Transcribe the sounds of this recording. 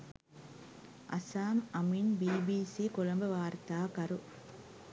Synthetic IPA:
ʔɐ̰saːmɐminbiːbiːsikʊlɐmbɐʋaːɾt̪aːkɐɾu

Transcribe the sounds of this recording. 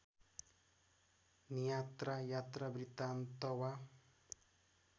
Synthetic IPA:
nijat̪rajat̪rabrit̪ant̪ʌwa

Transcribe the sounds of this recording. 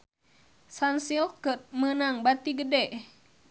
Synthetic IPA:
sansilkət̪̚mənaŋbat̪iɡədɛʔ

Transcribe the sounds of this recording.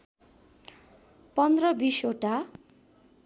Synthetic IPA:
pʌnd̪rʌbisoʈa

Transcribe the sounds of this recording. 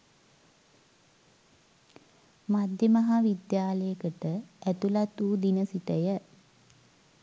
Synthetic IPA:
mad̪jəmaɦaʋid̪jaːləjəkəʈəæt̪ulat̪uːd̪inəsit̪əjə

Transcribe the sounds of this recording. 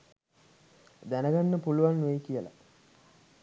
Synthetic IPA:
d̪ænəɡanːəpuluʋanːujkijəla̰

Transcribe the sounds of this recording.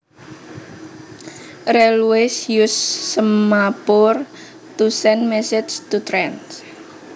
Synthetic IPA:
rɛlwesjusːəmmapʊr | t̪usɛnmɛsɪst̪ut̪ɾɛns

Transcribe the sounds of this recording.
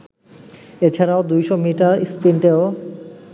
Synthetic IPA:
et͡ɕʰaɾaod̪ujʃomiʈaɾispinʈeo

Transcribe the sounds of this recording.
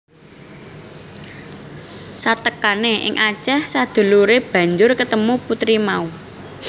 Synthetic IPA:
sat̪əkaneʔɪ̰ŋʔḁt͡ʃɛhsad̪̥ṳluɾeb̥ä̤ɲd͡ʒʊrkət̪əmuput̪ɾimau

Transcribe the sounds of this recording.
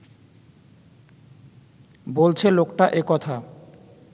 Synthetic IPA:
bolt͡ɕʰelokʈaʔekɔt̪ʰa

